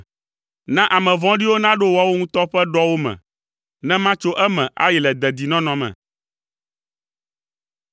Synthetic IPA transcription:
nã˦ʔa˨mɛ̃˨vɔ̃˦ɖi˦wo˦nã˦ɖo˦wa˦wo˦ŋũ˦t̪ɔ˦ɸɛ˦ɖɔ˦wo˦mɛ̰̃˨ | nɛ̃˦mã˦t͡ʃo˦ʔɛ˦mɛ̃˨ʔa̰˦jɛ˨lɛ˨d̪ɛ˨d̪i˨nɔ̃˦nɔ̃˨mɛ̰̃˨

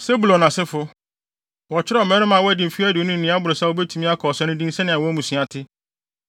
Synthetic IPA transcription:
se˦bu˨lɔ̃˨nã˨sɪ˦fʊ˦ | wɔ˨t͡ɕʰɪ˦ɾɔ˦˨mɛ̃ː˦ɾɪ̃˦mã˨wɔ˦æ˦dĩ˨m̩˨fi˦æ˦dɪ˨o˦nʊ̃˦n̩ː˨nĩ˨˦a˦bʊ˨ɾo˨sa˦wo˦bɛ˦tʰu˦mĩ˦a˦kʰɔː˨sɛ̃˦nʊ̃˦dĩ˦n˦sɛ˦nɪ̃˨a˨wɔ˦æ˦mũ˨sĩ˨a˨tʰɪ˦

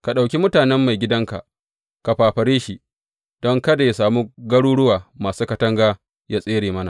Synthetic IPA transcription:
ka˨ɗa˨wkʲi˦mʊ˦taː˨nɛ˦mːa˨jɡʲɪ˦dɐ˦ŋka̰˨ʔ | ka˨ɸaː˨ɸɐ˨ɾeː˦ʃi˦ | d̥ɔ˦ŋkɐ˦da˨ja˦saː˨muː˦ɡɐ˦ɽuː˦ɽʊ˦waː˨maː˨suː˦kɐ˦tɐ˦ŋɡaː˦ | jaː˦sʼeː˦ɽeː˨mɐ˦na˨ʔ

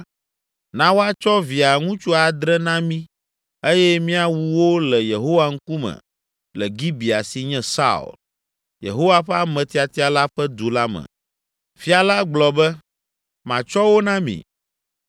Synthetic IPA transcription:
nã˦wo˦a˦t͡ʃɔ˦vi˨a˨ŋũ˦t͡ʃu˦a˨d̪ɾɛ˦nã˦mĩ˦ | e˦jɛ˦mĩ˦a˨wu˨wo˦lɛ˨je˨ɦo˦wa˦ŋ̩˦ku˦mɛ̰̃˨ | lɛ˨ɡi˦bi˨a̰˨si˨ɲɛ̃˦sa̰˦ṵ˨l | jḛ˨ɦo˦wa˦ɸɛ˦a˦mɛ̃˨t̪i˨a˨t̪i˦a˨la˦ɸɛ˦d̪u˨la˦mɛ̰̃˨ | fi˦a˨la˦ɡ͡blɔ˨bɛ˦ | mã˨t͡ʃɔ˦wo˦nã˦mḭ̃˨

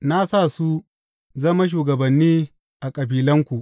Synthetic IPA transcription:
na˦sa˦˨su˦ | zɐ˦ma˦ʃ̬uː˨ɡɐ˨bɐ˨nːiː˦ | ʔa˨kʼɐ˨biː˨˦lɐ˦ŋkʷu˨ʔ

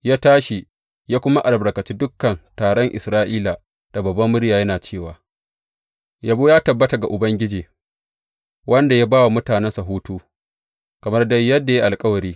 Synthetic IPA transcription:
jaː˦taː˦ʃi˨ | jaː˦kʷʊ˦ma˦ʔa˨lbɽɐ˨kɐ˨t͡ʃiː˦dʊ˦kːɐ˨ntaː˨ɽɔ˦ŋʔɪ˨sɾaː˦ʔiː˦la˨ | d̥a˨bɐ˨bːɐ˦mːʊ˦ɽjaː˨jɐ˦naː˨t͡ʃeː˦˨waː˨ | ja˨boː˦jaː˦tɐ˨bːɐ˦ta˨ɡa˨ʔʊ˨bɐ˦ŋɡʲɪ˦d͡ʒiː˨ | wɐ˦nda˨ja˦baː˦wa˨mʊ˦taː˨nɛ˦nsa˨ɦuː˦tuː˦ | kɐ˨mɐ˦rdɐ˦jjːɐ˦dːa˨ja˦ʔa˨lkʼɐ˦wɐ˨ɾiː˦

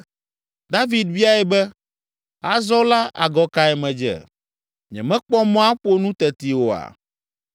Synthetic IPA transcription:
d̪a˦vi˨d̪̚vi˦a˦ɛ˨bɛ˦ | a˨zɔ˦la˦ʔa̰˨ɡɔ˦ka˨ɛ˨mɛ̃˨d͡ʒɛ̰˨ | ɲɛ̰̃˨mɛ̃˦k͡pɔ˦mɔ̃˦a˦ɸo˦nũ˦t̪ɛ˨t̪i˨wo˨a̰˨

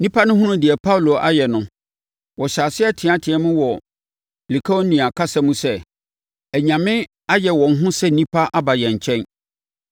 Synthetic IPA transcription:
nĩ˦pʰa˦nʊ̃˦ɦũ˦nʊ̃˦dɪ˨ɛ˨pʰa˦wlo˨ʔa̰˦jɛ˨nʊ̃˦ | wɔ˨ɕaː˨sɪ˦ɛ˦tʰɪ̃˨ã˨tʰɪ̃˨ɛ˦mʊ̃˦wɔ˨ | li˨kʰa˦o˦nĩ˨a˨kʰa˦sɛ˦mũ˦sɛ˦ | æ˨ɲã˨mɪ̃˦ | a˦jɛ˨wɔ̃˨n˦ɦʊ̃˦sɛ˦nĩ˦pʰa˦ʔa˦ba˨jɛ̃˨ɲ̩˨t͡ɕʰɛ̃˦n

